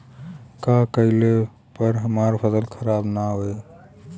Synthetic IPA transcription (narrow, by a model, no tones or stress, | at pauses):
kakəle | pəɾɦəmaɾpʰəsəlkʰəɾabnaɦoe